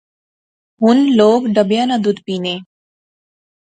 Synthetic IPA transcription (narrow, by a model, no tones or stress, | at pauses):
ɦunloːkɖəbjanad̪ud̪piːneː